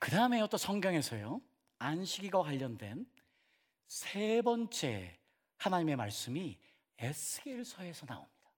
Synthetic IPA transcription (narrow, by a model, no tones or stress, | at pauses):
kɯdaɯme̞ʌt͈ʌnsʰʌŋɡjʌŋɦe̞sʰʌjo | anɕʰiɡiɡwakwaʎːʌndwe̞n | sʰebʌnt͡ɕ͈e̞̰ | hanaɲime̞maɭs͈ɯmi | esʰɯɡeɭsʰʌe̞sʰʌna̰o̰mɲid̥ḁ